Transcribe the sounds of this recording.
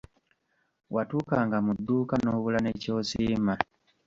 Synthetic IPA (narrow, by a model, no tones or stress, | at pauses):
watuːkaːŋɡamud̪ːuːkanoːβulaneco̞ːsiːma